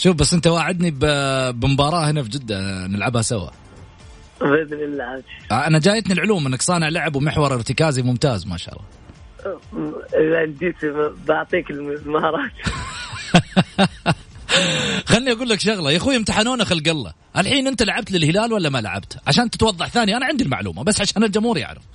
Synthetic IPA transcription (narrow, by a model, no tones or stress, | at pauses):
ʃuːfbasːʔɪnt̪awaːʕɪd̪nibbɪmbɑːɾˤɑːhɪnafd͡ʒɪd̪ːanɪlʕabhasawa̰ | bɪd̪lɪlaʕabt̪ʔanad͡ʒaːjat̪nilʕʊluːmʔɪnːaksˤɑːnɪʕlaʕabwmɪħwɑɾˤɪɾt̪ɪkaːzimʊmt̪aːzma̰ʃaɑ̰lˤːɑ̰ | lald̪iːt̪ibaʕt̪ˤiːkɪlmɪzmaɑɾˤɑːt̪ | xanːiʔaɡuːlːakʃʊɣlɑjaxuːɪmt̪aħanoːnaxalɡɑlːɑ̰ | ʔalħiːnʔɪnt̪alaʕab̚t̪lɪlhɪlaːlwalːamala̰ʕa̰bt̪ʕaʃaːnt̪ɪt̪wɑðˤːɑħθaːnijaʔanaʕɪnd̪ilma̰ʕlṵːmabasːʕaʃaːnɪld͡ʒamhuːɾija̰ʕla̰